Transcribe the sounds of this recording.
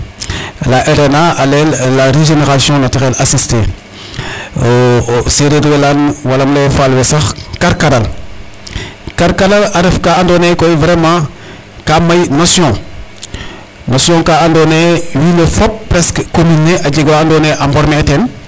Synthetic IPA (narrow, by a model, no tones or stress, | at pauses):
laʔeɾenaalelaɾeʒeneɾasjɔ̃natiɣɛlasistḛ | seɾeɾwelanwalamlefalwesaxkaɾkadal | kaɾkadalaɾefkaandonekoivɾemã | kamajnosjɔ̃ | nosjɔ̃kaandonewilofɔpːɾɛskkominːeʔad͡ʒeɡwaːndoneʔambɔɾmetɛn